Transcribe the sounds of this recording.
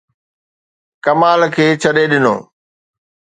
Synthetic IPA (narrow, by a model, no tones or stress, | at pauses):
kɐmaːlkʰeːt͡ɕʰɐɗeɗɪno̰ː